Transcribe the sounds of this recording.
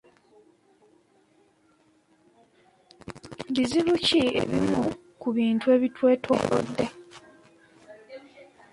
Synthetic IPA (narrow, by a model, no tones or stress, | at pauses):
biziβuciḛβimu | kuβiːntue̞ːβitwe̞ːtʰo̰ːko̰d̪ːe̞